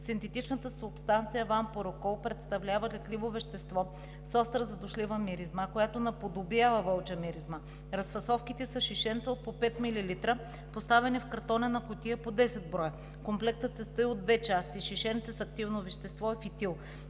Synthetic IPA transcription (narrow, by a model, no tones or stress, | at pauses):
sint̪ɛt̪it͡ʃnət̪əsʊpst̪ant̪sijəvanpoɾokɔlˠpɾɛt̪st̪ɐvlʲavəlɛt̪livovɛʃt̪ɛst̪vɔ | sɔst̪ɾəzɐd̪ʊʃlivəmiɾizməkojat̪onɐpod̪objavəvɤlˠt͡ʃəmiɾizmə | ɾɐsfɐsɔfk̟it̪ɛsəʃiʃɛnt̪səot̪̚popɛt̪mililit̪ɾə | post̪avɛnifkɐɾt̪ɔnɛnɐkot̪iəpod̪ɛsɛd̪̚bɾɔjə | komplɛk̚t̪ət̪sɛst̪əiod̪vɛt͡ʃast̪iʃiʃɛnt̪səsɐkt̪ivnovɛʃt̪ɛst̪vɔɛfit̪ilˠ